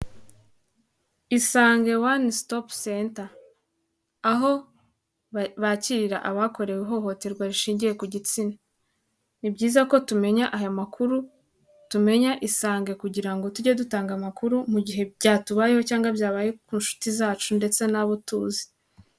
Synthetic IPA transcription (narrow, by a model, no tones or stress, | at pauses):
isaːŋɡe̞wanstopsenta | ɦo̞ | βaciɾiɾa̰ʔaβako̞ɾe̞weɦo̞ho̞te̞ɾɡwaɾiʃiːɲɟije̞kuɟit͡sina | nibɟiːzako̞tume̞ɲaʔajamakʰuɾu | tume̞ɲaʔisaːŋɡe̞kuɟiɾaŋɡo̞tuɟedutaːŋɡamakuɾumuɟiɦe̞bɟaːtuβajeho̞caːŋɡabjaːβajekuːnʃu̥tizaːt͡ʃunde̞t͡se̞naβutuːzi̥